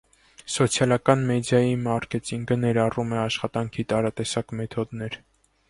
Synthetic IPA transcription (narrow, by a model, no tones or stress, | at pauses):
sɔt͡sʰjɑlɑkɑnmɛd̪jɑjimɑrkɛt̪iŋɡənɛɾɑrumɛɑʃχɑt̪ɑŋkʰit̪ɑɾɑt̪ɛsɑkmɛt̪ʰɔd̪nɛɾ